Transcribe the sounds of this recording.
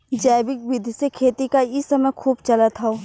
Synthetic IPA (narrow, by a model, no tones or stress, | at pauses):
d͡ʒɛːbɪk̚ʋɪd̪ʱsekʰeːt̪ikaɪsɐməjkʰuːbt͡ʃɐlət̪ɦaoː